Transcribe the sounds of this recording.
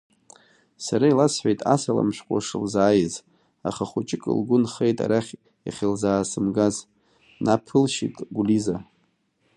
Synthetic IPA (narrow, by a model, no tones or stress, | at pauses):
saɾailasħʷᶣejtʼasala̰mʃᶣqʷʼaʂɨlzaːjɪz | a̰χaχut͡ʃʼɪkʼɨ̰lɡʷʊnχejtʼa̰ɾaχʲ | aχʲilzaːsɨmɡaz | napʰɨlʃitʼɡʷuliza